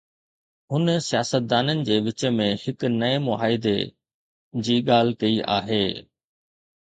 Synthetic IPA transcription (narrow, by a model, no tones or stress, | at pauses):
ɦʊnəsijaːsət̪̚d̪aːnənɪ̆d͡ʑeːʋɪt͡ɕə̆mẽhɪknɐemʊɦaːɪd̪e | d͡ʑiːɠaːl̤kɐiʔa̰ːɦeː